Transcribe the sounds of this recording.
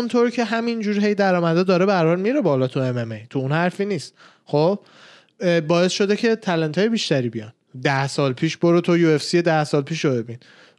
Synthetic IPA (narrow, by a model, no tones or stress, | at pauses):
unt̪ʰoɾcʰe̞ɦæmind͡ʒuːɾɦe̞jd̪æɾɒːmæd̪ɒd̪ɒːɾebæɾbæɾmiɾe̞bɒːlɒːt̪ʰuememejt̪ʰuunhæɾfiːniːst̪ | χob̥̚ | bɒːe̞sʃo̞d̪ecʰe̞t̪ʰælent̪ʰɒːjebiːʃt̪æɾiːbijɒ̰n | d̪æhsɒːlpʰiːʃboɾot̪ʰojuefsied̪æhsɒːlpʰiːʃobe̞bin